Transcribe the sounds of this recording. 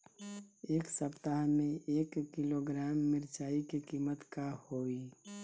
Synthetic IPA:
eːksəpt̪aɦmẽʔeːkːiloɡɾaːmːɪɾt͡ʃaːikekiːmət̪kahoːi

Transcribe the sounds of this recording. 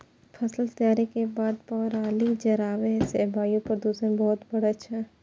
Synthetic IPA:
pʰɐsəlt̪jaːɾekebaːd̪̚pɔːɾaːlid͡ʒɐɾaːʋesebʱaːjũpəɾd̪uːsənbɔːt̪bɐɽat͡ʃʰa

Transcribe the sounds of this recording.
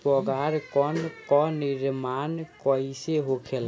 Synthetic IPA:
pɔɡaɾkɔnkɔnɪɾmankɔiseɦokʰel

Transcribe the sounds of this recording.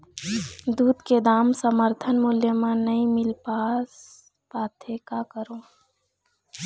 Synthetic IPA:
d̪uːd̪ked̪aːmsəməɾt̪ʰənmʊljəmãnəɦĩmɪlpas | paːt̪ʰekakəɾõ

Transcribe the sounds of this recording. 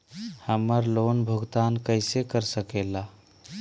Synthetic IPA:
həməɾlonbʱəɡt̪ankəɪsekəɾsəkela

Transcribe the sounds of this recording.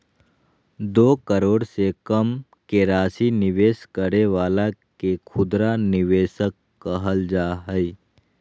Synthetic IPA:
d̪oːkəɾoːɽsekəm | keɾaːsinɪʋeːskəɾeʋaːlakekʰʊd̪ɾanɪʋeːʃəkːəɦəld͡ʒaːɦəi

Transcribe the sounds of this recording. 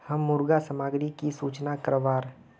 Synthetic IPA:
hɐmːʊɾɡasəmaːɡɾikisuːt͡ʃnakəɾʋaːɾ

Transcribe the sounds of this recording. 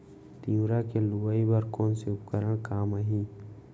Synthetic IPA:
t̪iũɾakeluwaibəɾkɔːnseʊpkəɾəɽ̃kaːməɦĩː

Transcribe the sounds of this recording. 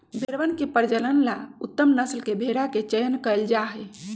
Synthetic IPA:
bʱeɾʋənkepəɾd͡ʒələnlaut̪ːəmnəslkebʱeɾaket͡ʃəjənkəeld͡ʒaɦɛ

